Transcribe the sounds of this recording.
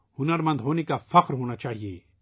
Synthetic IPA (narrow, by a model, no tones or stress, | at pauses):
hʊnəɾmɐ̃nd̪ʱɦoːnekafɐqɾɦoːnat͡ʃaːɦiḛː